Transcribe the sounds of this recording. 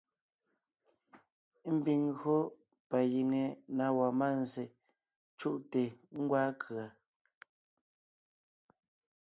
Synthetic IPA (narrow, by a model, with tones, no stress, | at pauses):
m̩˦bi˨ŋɣɰo˦ | pa˨ji˨ŋe˨na˨wa˨ma˦˨n˨ze˨ | t͡ʃu˦˨ʔte˨ŋ̩˦ɡwaː˦kʰɰa˨